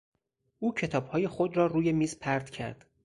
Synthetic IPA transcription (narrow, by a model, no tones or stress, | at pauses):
ʔuːcʰe̞t̪ʰɒːbhɒːje̞xod̪ɾɒːɾuːje̞miːzpʰæɾd̪̥cʰæ̰ɾd̪̥